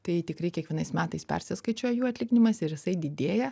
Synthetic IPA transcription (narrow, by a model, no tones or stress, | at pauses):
t̪ɐɪt̪ʲɪkɾɐɪkʲiɛkʋʲiɛnɐɪsmʲæːt̪ɐɪspʲɛ̰ɾʲsʲɪskɐɪt͡ʃʲoːjɛjuːɐt̪ʲlʲɪɡʲɪnʲɪmɐsɪɾjɪsɐɪd̪ʲɪd̪ʲeːjɛ